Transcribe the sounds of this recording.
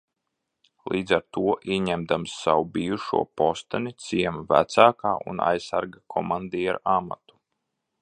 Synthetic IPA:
lˠiːd̪zaɾt̪uɔʔiɛɲɛmd̪amsːawubijuʃṵɔpɔst̪anit̪siɛmvæ̰t̪saːkaːʔṵna̰jsaɾɡakʰɔmand̪ijaɾama̰t̪u̥

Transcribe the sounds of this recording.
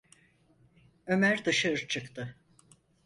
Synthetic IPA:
ø̞mæɾd̪ɯʃaɾɯt͡ʃʰɯkt̪ʰɯ

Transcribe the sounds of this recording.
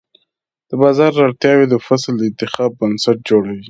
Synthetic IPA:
d̪̥əbɑzɑɾːɑɽt̪jɑwed̪əfasld̪əɪnt̪ɪxɑbːənsaʈ̚d͡ʒoɽawi

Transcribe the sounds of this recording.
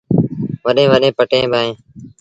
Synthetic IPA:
ʋəɗẽːʋəɗẽːpəʈẽːbʱaːẽː

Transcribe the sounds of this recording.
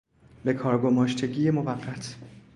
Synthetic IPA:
be̞kʰɒːɾɡo̞mɒːʃt̪ʰe̞ɟiːjemovæɢːæt̪ʰ

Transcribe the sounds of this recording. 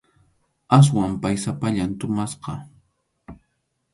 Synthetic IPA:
as̬wampajsapaʎant̪ʊmasqɑ

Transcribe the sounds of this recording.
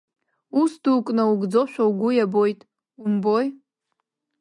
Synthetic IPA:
usdukʼnauɡd͡zo̞ʃᶣauɡʷujabo̞jtʼ | umboj

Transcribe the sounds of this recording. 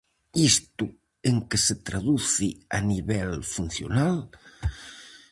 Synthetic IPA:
ist̪u | eŋkeset̪ɾaðuθianiβɛlfun̟θjo̰nal

